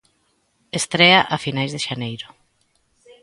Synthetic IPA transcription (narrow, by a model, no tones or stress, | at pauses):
est̪ɾeaʔafinajzðeʃanejɾʊ